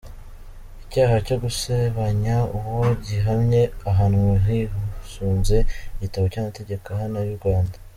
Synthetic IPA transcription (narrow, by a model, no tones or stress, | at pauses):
icaːhacoɡuseβaɲauwoɟiɦamɲe̞aɦaːnuɦiɦusuːnze̞iɟitaβo̞camate̞ɟe̞kahanajuɾɡwaːnda